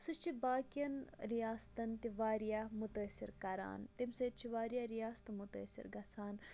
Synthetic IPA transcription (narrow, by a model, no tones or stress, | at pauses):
sɨʃt͡ʃʰibaːkjɐnɾijaːst̪ɐnt̪iʋaːɾijamut̪əːsʲiɾkɐɾa̰ːnt̪imseːt̪̚t͡ʃʰiʋaːɾijaɾijaːst̪ɐmut̪ə̰ːsʲḭɾɡɐsʰaːn